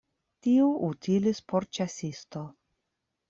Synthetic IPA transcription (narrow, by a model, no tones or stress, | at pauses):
tiuʔutilispoɾt͡ʃasist̪o